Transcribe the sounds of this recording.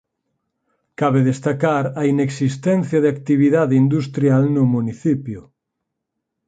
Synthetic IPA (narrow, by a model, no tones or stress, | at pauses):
kaβeðest̪akaɾɐineksist̪ɛn̟θjɐðɪakt̪iβiðaðeind̪ust̪ɾjalnʊmuniθipjʊ